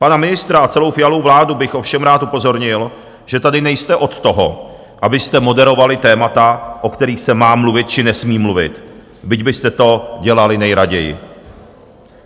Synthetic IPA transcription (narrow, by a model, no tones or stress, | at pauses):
panamɪnɪst̪ɾaat͡sɛlo̞wfɪjalo̞wvlaːdubɪxʔo̞fʃɛmɾaːt̪upo̞zo̞ɾɲɪl | ʒ̥ɛt̪adɪnɛjst̪ɛʔo̞t̪ːo̞ɦo̰ | ʔabɪst̪ɛmo̞dɛɾo̞valɪt̪ɛːmat̪aʔo̞kt̪ɛɾiːxsɛmaːmluvɪt̪t͡ʃɪnɛsmiːmluvɪ̰t̪ | bɪɟbɪst̪ɛt̪o̞ɟɛlalɪnɛjɾaɟɛjɪ̰